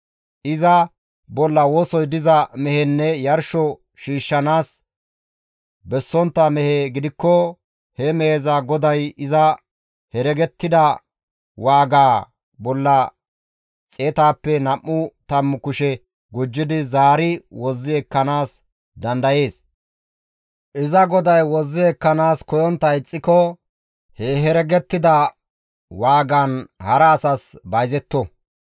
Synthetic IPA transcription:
ʔɪzɐ | bɔlːɐwoːsɔjd̪ɪzɐmɛhɛnːɛjɐɾʃɔ | ʃiːʃːɐnaːs | bɛsːɔnt̪ːɐmɛheːɡɪd̪ɪkːɔ | hɛmɛhezaːɡɔd̪ɐjɪzɐ | hɛɾɛɡɛt̪ːɪd̪ɐ | waːɡaː | bɔlːɐ | t͡sʼeːt̪aːpːɛnɐmːʊt̪ɐmːʊkʊʃɛ | ɡʊd͡ʒːɪd̪ɪzaːɾɪwɔzːɪɛkːɐnaːs | d̪ɐnd̪ɐje̞ːs | ʔɪzɐɡɔd̪ɐjwɔzːɪɛkːɐnaːskɔjɔnt̪ːɐɪt͡sʼːɪkɔ | heːɦɛɾɛɡɛt̪ːɪd̪ɐ | waːɡɐnhɐɾɐːsɐsbɐjzɛt̪ːɔ

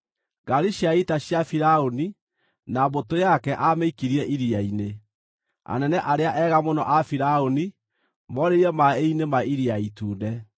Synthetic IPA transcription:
ɡaɾiʃjaitaɕjafiɾaoni | nabotojakɛʔameikiɾiɛʔiɾiaine | a̰nɛnɛʔaɾeaʔɛɣamonɔʔafiɾaoni | mɔɾeiɾɛmaeinemaiɾiaituːndɛ

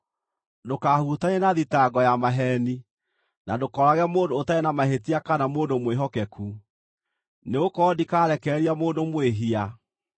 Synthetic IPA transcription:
dokahutaɲenaðitaɡɔjamaɦɛni | nadokɔɾaɣɛmoːndoːtaenamaɦetiakanamoːndomweɦɔkɛkʰu | neokɔːdikaːɾɛkɛɾiamoːndomweɦia

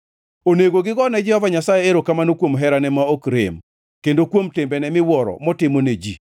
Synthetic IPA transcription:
oneɡoɡɪɡɔnɛd͡ʒɛhɔvaɲasajeeɾokamanokwomɦɛɾanɛmaokɾḛm | kendokwomtɪmbɛnɛmɪwɔɾɔ̰mɔtɪmoned͡ʒi

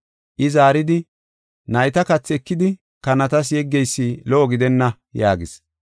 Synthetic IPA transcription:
ʔɪzaːɾɪd̪ɪ | nɐjt̪ɐkɐt͡sːɪɛkːɪd̪ɪ | kɐnɐt̪ɐs̬jɛɡːɛjsːilɔʔɔɡɪd̪ɛnːɐ | jaːɡɪs

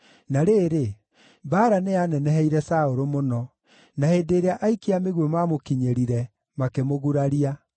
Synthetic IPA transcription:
naɾeːɾe | baɾaneanɛnɛɦɛiɾɛsaoɾomonɔ | naheːdeːɾeaʔaikeameɣwemamokiɲeɾiɾɛ | makemoɣuɾaɾia

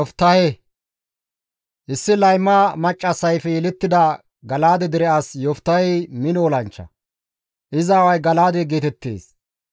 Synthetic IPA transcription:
ɔft̪ːɐhɛ | ʔɪsːɪlɐjmːaːmɐt͡ʃʼːɐsːɐjfɛjɛlɛt̪ːɪd̪ɐ | ɡɐlaːd̪ɛd̪ɪɾɛasjɔft̪ːɐjɛmɪnoɔlɐnt͡ʃːɐ̰ | ʔɪzaːwɐjɡɐlaːd̪ɛɡeːt̪ɛt̪ːḛːs

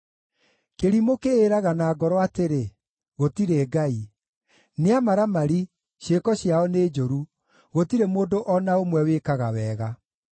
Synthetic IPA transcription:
keɾimokeːɾaɣanaːɡɔɾɔateɾe | ɣotiɾeɡai | neamaɾamaɾi | ʃekɔɕjaɔneːd͡ʒoɾu | ɣotiɾemoːndoʔɔnaomwɛweːkaɣa̰wɛːɣa

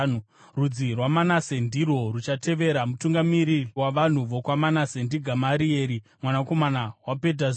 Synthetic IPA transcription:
nu | rud͡zirwamanase̞ndiro̞rut͡ʃate̞ʋe̞ɾamutuŋɡamiɾiwaʋan̤uʋo̞kwamanasendiɡʱamaɾie̞ːɾimwanako̞manawape̞d̬az

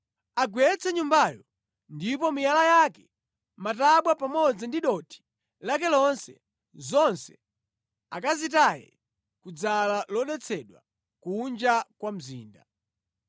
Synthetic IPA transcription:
aɡwɛt͡sʰɛɲumbajɔ | ndipɔmijalajaːkɛ | mataɓwapamɔd͡zindiɗɔtʰi̥ | lak̬ɛlɔnsɛ̰ | zɔnsɛ̥ | akazitajɛ̰ | kud͡zalalɔɗɛt͡sʰɛɗwa̰ | kund͡ʒakwam̩zḭːnda

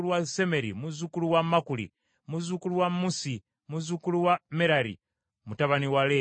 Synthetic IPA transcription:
luwaseme̞ɾḭmuzukuluwamakulḭ | muzukuluwamusi | muzukuluwameɾaɾḭ | mutaβaniwale

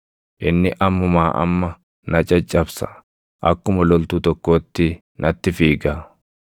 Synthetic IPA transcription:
ʔɪnːɪʔɐmːʊmaːʔɐ̰mːɐ | nɐt͡ʃʼɐt͡ʃʼːɐbsɐ̥ | ʔɐkːʊmɐlɔlt̪ut̪ɔkːo̞ːt̪ːɪ | nʔɐt̪ːɪfiːɡa

